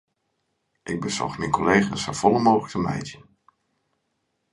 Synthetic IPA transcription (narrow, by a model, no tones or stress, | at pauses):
ʔɪɡ̚bəzɔ̰χmɛjnkɔlejχasav̥ɔləmoːləktəmɛ̰jtən